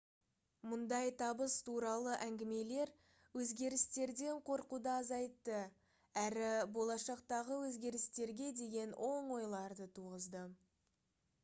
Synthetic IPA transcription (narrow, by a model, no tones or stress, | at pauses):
mʊnd̪ɑjt̪ʰɑbəst̪ʰuɾɑlˠəʔæŋɡʲɪme̞le̞ɾ | wɵzɡʲe̞ɾɪst̪e̞ɾd̪e̞ɴqʰo̞ɾqud̪əɑzɑjt̪ːə | æɾɪbo̞lˠɑʃɑqt̪ɑʁəwɵzɡʲe̞ɾɪst̪e̞ɾɡʲe̞d̪e̞ɡʲe̞nwʔo̞ɴwo̞jlˠɑɾd̪ət̪ʰuʁəzd̪ə